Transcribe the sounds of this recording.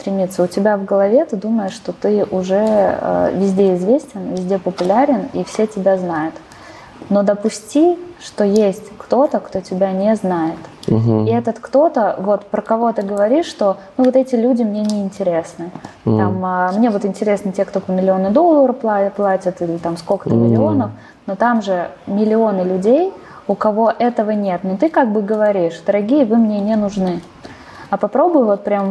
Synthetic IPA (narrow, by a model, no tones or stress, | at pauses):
st̪ɾʲɪmʲit̪sːəʊtʲɪbʲavɡəlˠɐvʲe̞t̪ɨd̪uməjɪʂːt̪o̞t̪ɨʔʊʐɛə̰vʲɪzʲdʲeɪzvʲesʲtʲɪnvʲɪzʲdʲepəpʊlʲaɾʲɪnḭfsʲetʲɪbʲaznajʊt̪ | no̞d̪əpʊsʲtʲiʂt̪o̞jesʲtʲkt̪o̞t̪əkt̪o̞tʲɪbʲanʲeznajɪt̪iɛt̪ət̪kt̪o̞t̪əvo̞t̪pɾəkɐvo̞t̪ɨɡəvɐɾʲiʂːt̪o̞nuvo̞t̪ɛtʲɪlʲudʲɪmnʲenʲɪɪnʲtʲɪɾʲe̞snɨ | t̪aməmnʲe̞vo̞t̪ɪnʲtʲɪɾʲe̞snətʲe̞kt̪opəmʲɪlʲɪo̞nɨd̪o̞lˠːəɾəfplˠaplˠatʲət̪ilʲɪt̪amskokə̥t̪əmʲɪlʲɪo̞nəf | not̪amʐɨmʲɪlʲɪo̞nɨlʲʉdʲej | ʊkɐvo̞ʔɛt̪əvənʲe̞t̪not̪ɨkaɡ̚bɨɡəvɐɾʲiʂd̪əɾɐɡʲijəvɨmnʲenʲenʊʐnɨ | ɐpɐpɾo̞bʊjʊvo̞t̪pɾʲam